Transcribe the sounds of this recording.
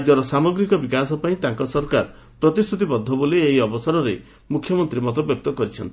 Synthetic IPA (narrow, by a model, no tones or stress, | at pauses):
d͡ʒɔɾɔsamɔɡɾikɔbikasɔpaĩt̪aŋkɔsɔɾkaɾ | pɾɔt̪isʈʰut̪ibɔd̪ʱːɔbolieɦiɔbɔsɔɾɔɾe | mukʰjɔmɔnt̪ɾimɔt̪ɔbjɔk̚t̪ɔkɔɾit͡ʃʰɔnt̪i̥